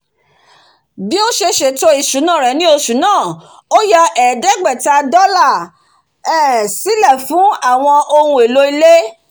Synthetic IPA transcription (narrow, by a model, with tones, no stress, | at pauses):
bi˦o˦ʃe˧ʃe˨to˧i˨ʃu˨˦nãː˦˨ɾɛ˨nĩ˦o˧ʃu˨˦nãː˦˨ | o˦jɔ˧ɛ˨dɛ˦ɡ͡bɛ˦˨ta˧dɔ˦la˦˨ | ɛ˦˨si˨˦lɛ˦˨fũ˨˦a˦˨w̃ɔ̃˧ʔo˧hũ˧˦e˨lo˦i˧le˦